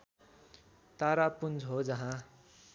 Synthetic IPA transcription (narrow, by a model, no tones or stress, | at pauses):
t̪aɾapund͡zɦod͡zʌɦã